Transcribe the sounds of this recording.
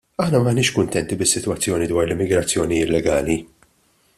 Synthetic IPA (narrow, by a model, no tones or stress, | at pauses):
ɐħnɐmɐːnɪːʃkʊnt̪ɛnt̪ibɪsːɪt̪wɐt͡sːjɔːnid̪wɐːɾlɪmːɪɡɾɐt͡sːjɔːniɪt̪lɛɡɐːli